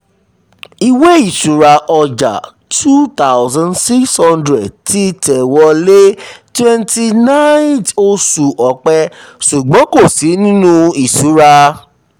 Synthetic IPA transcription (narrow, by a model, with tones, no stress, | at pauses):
i˧we˦i˦˨su˨ɾa˧ʔɔ˧d͡ʒa̰˨ | tʰu˦t̪a˦ʊzã˧nsi˦kshɔ̃˦ndɾɛ˨d̚ti˦tʰɛ˨wɔ˧le˦twɛ̃˦˧nti˧nã˦to˧su˨ʔɔ˨k͡pɛ˧ʃu˨ɡ͡bɔ̃˨˦ko˦˨si˨˦nĩ˦nũ˦i˨su˨˦ɾa˧